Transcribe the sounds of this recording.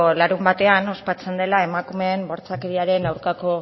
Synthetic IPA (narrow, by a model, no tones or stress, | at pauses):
laɾumbat̪e̞ano̞spat͡se̞nd̪e̞lae̞makume̞ːmbo̞ɾt͡sakeɾiaɾe̞nawɾkako̞